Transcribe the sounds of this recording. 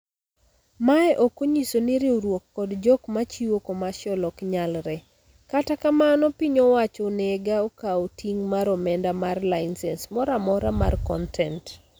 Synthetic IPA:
maɛʔokoɲisoniɾiuɾwokːɔdd͡ʒɔkmat͡ʃiwokomaʃɔlɔkɲalɾɛ | katakamanɔpiɲɔwat͡ʃonɛɡaokaotiŋmaɾɔmɛndamarlansɛnsmɔɾamɔɾama̰rkɔ̰ntʰɛnt

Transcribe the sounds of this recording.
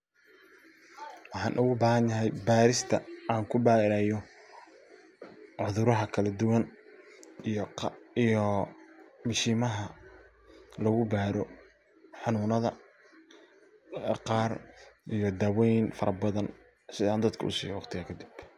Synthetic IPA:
wɑħɑ̰ːnʔʊɣʊbaːɦɐnjɐɦɛjbaːɾɪst̪ʰɐʔaːŋkʰʊbaːɪɾaːjɔ | ʕʊðʊɾɐɦɐkʰɐlɐd̪ʊwɐn | ijijɔ | mɪʃiːmɐɦɐ | lɔɣʊbaːɾɔ | ħɑnʊːnɐðɐ̰ | qɑːrʔijɔd̪aːwɛjnfɐɾʔɐbɐðɐn | sɪðaːnd̪ɐd̪kʰɐʊ̰sḭːɔːqt̪ʰɪaːkʰɐd̪ɪb̥

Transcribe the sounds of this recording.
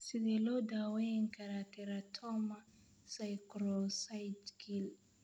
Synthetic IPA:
siɡɛlɔdaweŋkaɾatɛɾatʰɔma | sajkɾɔsajdɡil

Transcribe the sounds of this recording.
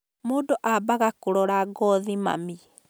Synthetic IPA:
moːdoʔabaɣakoɾɔɾaɡɔðima̰mi

